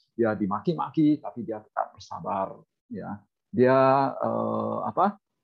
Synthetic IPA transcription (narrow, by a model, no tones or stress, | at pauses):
diadimakima̰kit̪apidiakə̥t̪a̰t̚bərsa̰bar | ja̰ | diaə̰a̰pa